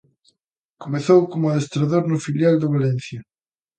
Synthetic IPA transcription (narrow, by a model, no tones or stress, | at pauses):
komeθowkomʊaest̪ɾaðoɾnʊfiljald̪oβalɛnθjɐ